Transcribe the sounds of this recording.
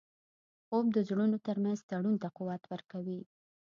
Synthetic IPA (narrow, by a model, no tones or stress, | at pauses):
ob̚d̪əzɽunot̪əɾmanzt̪aɽunt̪aquwat̪wəɾkawi